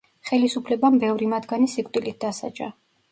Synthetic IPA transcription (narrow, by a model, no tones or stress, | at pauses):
χɛlisupʰlɛbambɛvɾimad̪ɡanisɛkʼt̪ʼilit̪̚d̪asa̰d͡ʒa̰